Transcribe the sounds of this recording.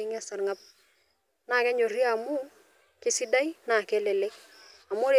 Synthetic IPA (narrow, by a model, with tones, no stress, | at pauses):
ɪ˦ŋɛ˦sa˨ɾŋa˦p̚ | na˦˨kɛ˦ɲo˨ri˦a˨mʊ˦ | kɪ˦sɪ˦da˦i˦na˨kɛ˦lɛ˨le˦k | a˨mʊ˦ɾe˦˨